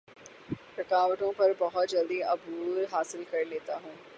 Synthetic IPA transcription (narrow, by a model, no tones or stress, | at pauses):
ɾɐkaːʋəʈõpɐɾbɐɦʊt̪̚d͡ʒɐld̪iɐbuːɾɦaːsɪlkɐɾleːt̪aɦũː